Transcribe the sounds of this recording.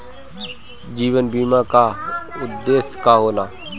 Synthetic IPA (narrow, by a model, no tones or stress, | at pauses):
d͡ʒiːʋənbiːmãːkaːʊd̪eːskaːɦoːnaː